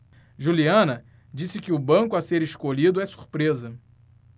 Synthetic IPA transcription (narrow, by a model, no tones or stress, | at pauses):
ʒuliɐ̃nɐ | d͡ʒisɪkɪʊbɐ̃ŋkʊɐseɾeʃkoʎid̪ʊɛsu̥ɾpɾezɐ